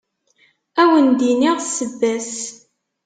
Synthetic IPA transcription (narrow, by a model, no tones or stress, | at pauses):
æwənd̪iniʁsːəvːæs